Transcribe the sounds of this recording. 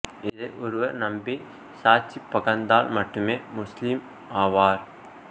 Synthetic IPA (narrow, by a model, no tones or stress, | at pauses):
ɪðeʔɔɾɯʋɐɾnɐmbi | saːɾt͡ʃipːɐɣɐnd̪aːlmɐʈːɯmeːmʊslim | aːʋaːɾ